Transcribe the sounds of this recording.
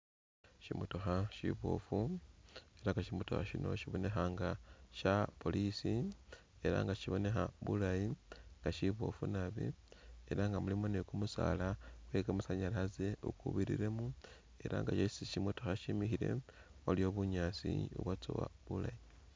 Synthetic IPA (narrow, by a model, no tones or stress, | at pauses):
ʃimutoxaʃḭβo̰fu | e̞ɾaŋɡaʃimuto̰xaʃino̞ʃiβo̞ne̞xaŋɡaʃapo̞lisi | e̞ɾa̰ŋɡaʃiβo̞ne̞xaβulajiŋɡaʃiβo̞̰funaβḭe̞ɾaŋɡamulimonekumusa̰lakwe̞kamusaɲalaze̞ukuβiɾḭɾe̞mu | e̞ɾa̰ŋɡaʃesiʃimutoxaʃimixiɾe̞̰olio̞ːβuɲaːt͡siṵβwat͡so̰wa̰βulaji